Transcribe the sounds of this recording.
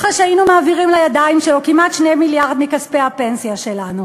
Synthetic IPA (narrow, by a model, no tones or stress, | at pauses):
χaʃeainumaːviʁimlajad̪aimʃelokimat̪ʃnejmiljaʁd̪mikaspehape̞nsijaʃelanu